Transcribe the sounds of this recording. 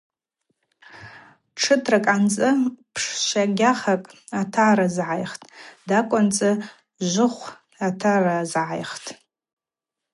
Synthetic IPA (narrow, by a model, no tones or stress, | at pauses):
ʈ͡ʂʰɨtʰrakʼant͡sʼɨpʰʂʃaɡʲaχakʼ | atʰaɾazʕajχtʼdakʷʼʊnt͡sʼɨ | ʒʷʊχʷ | atʰarazʕajχtʼ